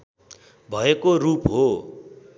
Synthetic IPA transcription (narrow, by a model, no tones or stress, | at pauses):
bʱʌekorupɦo